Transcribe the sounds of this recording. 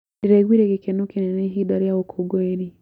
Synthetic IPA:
diɾeɣwiːɾekekenokeneneɦidaɾjaɣokʰoɡoeɾi

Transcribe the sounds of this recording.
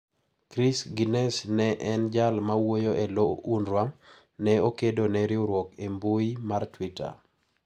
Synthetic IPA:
kɾisɡinɛsnɛʔɛnd͡ʒalmawojoelounɾwam | nɛokedonɛɾɪoɾwɔkembʊimartwita̰

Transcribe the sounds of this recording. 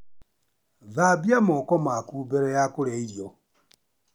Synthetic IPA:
ðabjamɔkɔmakuːbeɾɛjakoɾeiɾjo

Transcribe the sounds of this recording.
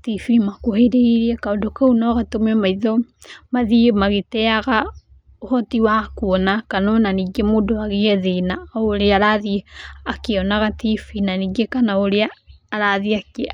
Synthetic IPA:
tifimakoheɾeiɾiɛkaondokaunɔɣatomɛmaiðɔ | maðimaɣetɛaɣa | ohɔtiwakuɔnakanɔnaniɡemoːdoaɣeɛðenaoɾeaɾaðieakeɔnaɣatifinaniɡekanaoɾeaːɾaðiake

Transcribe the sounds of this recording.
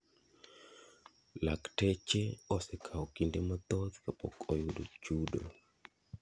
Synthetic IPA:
laktɛt͡ʃeɔsɛkʰaɔkindemat̪ɔt̪kapɔ̰kɔjʊdo̰t͡ʃudo̰

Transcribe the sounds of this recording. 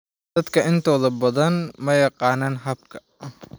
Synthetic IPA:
d̪̥ɐd̪kʰɐʔɪnt̪ʰɔːðɐbɐðɐnmɐjɑqɑːnaːnɦɐb̚kʰɐ̥

